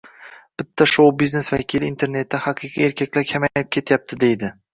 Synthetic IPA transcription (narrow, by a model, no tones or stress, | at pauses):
b̥ɪt̪ʰːaʃowbizne̞svakʲʰilint̪ʰe̞ɾne̞t̪ʰːɪhɑqʰɨqʰie̞ɾkʲʰakʲlaɾkʲʰamajɪp̚kʲʰe̞t̪jap̚t̪ʰɪd̪e̞jd̪ɪ